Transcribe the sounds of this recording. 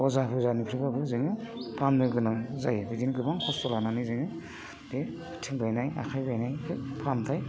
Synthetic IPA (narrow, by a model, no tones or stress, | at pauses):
ɔzapʰɯzanipʰɾibabɯzɯŋɯpʰamnɯɡɯnaŋzajbidinɡɯbaŋkʰɔsɔlananɯzɯŋɯ | de | tʰɯŋbajnaja̰kʰajbajnajkʰɯpʰamtʰaj